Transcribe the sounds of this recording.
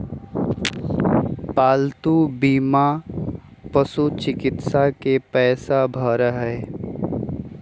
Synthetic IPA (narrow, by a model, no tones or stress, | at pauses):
paːlt̪ubiːma | pəsut͡ʃɪkɪt̪sakepɛːsabʱəɾɦɛː